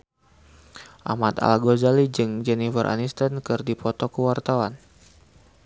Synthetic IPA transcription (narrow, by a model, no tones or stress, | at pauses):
ʔa̰mat̪a̰laɡozalid͡ʒɨŋd͡ʒɛnivərʔa̰nist̪ankɨrdipɔt̪ɔkəwart̪awan